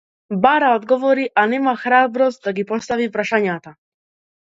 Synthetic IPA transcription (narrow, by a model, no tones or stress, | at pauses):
baɾaod̪ɡɔvʋɔɾiʔanɛmaxɾabɾɔst̪̚d̪aɡipɔst̪aʋipɾaʃaɲat̪a